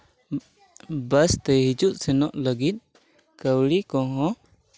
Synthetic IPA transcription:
bəst̪ɛɦid͡ʒuʔ̪̚sɛnɔʔləɡit̪̚ˀ | kəwlikɔ̃ɦɔ̃

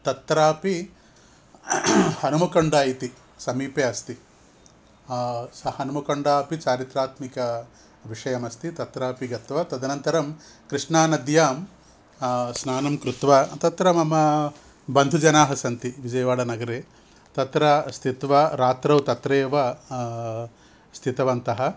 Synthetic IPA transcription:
t̪ɐt̪ɾaːpi | hɐnumɐkɐɳɖaːjit̪i | sɐmiːpeːɐst̪i | sɐhɐnumɐkɐɳɖaːpit͡ʃaːɾit̪ɾaːt̪mikɐ | ʋiʂɐjɐmɐst̪it̪ɐt̪ɾaːpiɡɐt̪ʋɐt̪ɐd̪ʱɐnɐnt̪ɐɾɐm | kɾɨʂɳaːnɐd̪jaːm | snaːnɐmkɾut̪ʋat̪ɐt̪ɾɐmɐmɐ | bɐnd̪ʱud͡ʒɐnaːɦɐsɐnt̪iʋid͡ʒɐjɐʋaːɽɐnɐɡɐɾeː | t̪ɐt̪ɾɐst̪ʰit̪ʋɐɾaːt̪ɾɐwt̪ɐt̪ɾeːʋɐ | st̪ʰit̪ɐʋɐnt̪ɐɦɐ

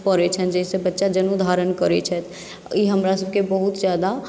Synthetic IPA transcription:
pəɾɛt͡ʃʰənd͡ʒɛɦisẽbətːʃad͡ʒənud̪ʱaɾənkəɾɛt͡ʃʰɛt̪ʰ | iɦəmɾasəbkebəɦut̪d͡ʒjad̪a

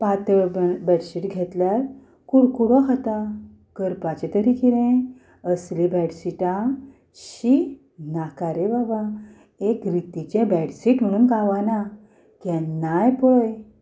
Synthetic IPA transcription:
pat̪bɛɽsiʈɡʱɛt̪ljaɾ | kuɽkuɽɔkʰat̪a | kəɾpat͡ɕet̪əɾikiɾẽ | əslibɛɽsiʈã | ɕi | nakaɾebaba | ekɾit̪it͡ɕẽbɛɽsiʈm̤əɽ̃uːnkaʋana | kɛ̃najpɔj

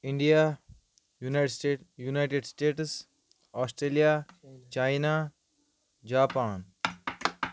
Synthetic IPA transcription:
ɪ̃ɳɖija | unaɖjunajʈeɖsʈeːʈs | ɔːsʈɾeːlijat͡ʃaːjina | d͡ʒaːpaːn

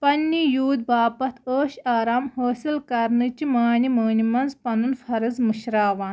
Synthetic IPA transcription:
pɐnːijuːd̪baːpɐt̪ʰəːʃaːɾaːmhoːsilkɐɾnɨt͡ʃimaːniməːnimɐnzpɐnunfʰɐɾɨzmɨʃɾaːʋaːn

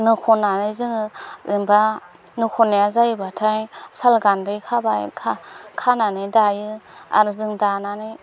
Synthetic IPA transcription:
nɯkʰɔnanɯjzɯŋɯɯmba | nɯkʰɔnejazajbatʰajsalɡandɯjkʰabajkʰakʰananɯjdajɯa̰ɾzɯŋdananɯj

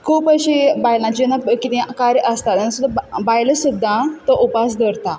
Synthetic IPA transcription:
kʰuːpəɕibajlãt͡ɕnakit̪ɛ̃kaɾjʔəst̪at̪ənãsud̪ʱabajləsud̪ʱːãt̪əʔupasd̪əɾt̪a

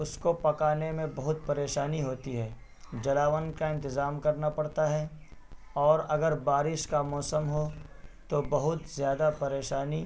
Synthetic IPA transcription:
ʊskopɐkaːnemẽbɐɦʊt̪̚pɐɾeːʃaːniɦoːt̪iɦɛː | d͡ʒɐlaːʋənkaɪ̃nt̪ɪzaːmkɐɾnapɐɽt̪aɦɛ | ɔːɾɐɡəɾbaːɾɪʃkamɔːsəmɦot̪obɐɦʊt̪zjaːd̪apɐɾeːʃaːni

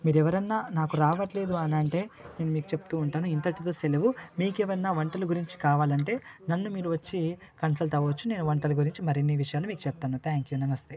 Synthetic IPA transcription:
miːɾuɛʋɐɾɐnːaːnaːkuɾaːʋɐʈle̞ːd̪uɐnɐɳʈe̞ːne̞ːnumiːku̥t͡ʃepu̥t̪uːɳʈaːnuint̪ɐʈit̪o̞ːseleʋumiːkɛʋɐɾɐnːaːʋɐɳʈɐluɡuɾiɲt͡ʃi̥kaːʋaːlɐɳʈe̞ːnɐnːumiːɾuʋɐt͡ʃːi | kɐnsɐlʈɐʋɐʋɐt͡ʃːune̞ːnuʋɐɳʈɐluɡuɾiɲt͡ʃimɐɾinːiʋiʂɐjaːlumiːku̥t͡ʃɛp̚t̪aːnut̪ʰaːŋkjunɐmɐst̪e

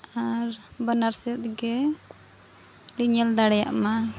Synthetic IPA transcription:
aɾ | bənaɾst̪̚ɡɛ | liɲəld̪aɽɛja̰ʔma

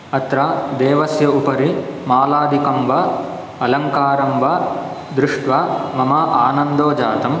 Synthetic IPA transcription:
ɐt̪ɾɐd̪eːʋɐsjɐupɐɾimaːlaːd̪ʱikɐmʋɐ | ɐlɐŋkaːɾɐmʋɐ | d̪ɾuʂʈʋamɐmɐʔaːnɐnd̪oːd͡ʒaːt̪ɐm

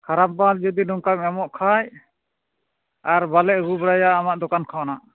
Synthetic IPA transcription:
kʰaɾap̚bald͡ʒɔd̪inɔŋkamɛmɔʔkʰaj | aɾbalɛʔɡubɽajaːmaʔd̪ɔkankʰawnaʔ

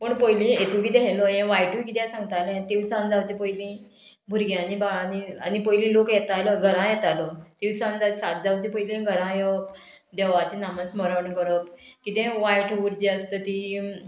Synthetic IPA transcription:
pəɳpəjlĩet̪uɡiːd̪ɛɦjlɔjɛ̃ʋajʈuikit̪jɛ̃sãŋɡt̪alẽt̪iʋsãnd͡zawt͡ɕepəjilĩ | bʱuɾɡjãnibaɭanianipəjlĩlokjɛt̪ajləɡʱəɾãjɛt̪alət̪iʋsãnd͡zasat̪̚d͡zaʋt͡ɕepəilĩɡʱəɾãjə | d̪ɛʋat͡ɕenaməsməɾəɳkəɾəpkit̪ẽʋajʈʰuʋuɾd͡ʑiəst̪ət̪i

